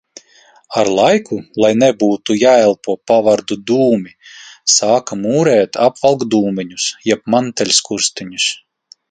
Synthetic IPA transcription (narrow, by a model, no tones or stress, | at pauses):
aɾlˠajkʰulˠajnɛbuːt̪ujaːɛlˠpuɔpavaɾd̪ud̪uːmʲisaːkamuːɾɛːt̪ʰapvalˠɡd̪uːmʲiɲusjɛp̚mant̪ɛlʲskuɾst̪iɲus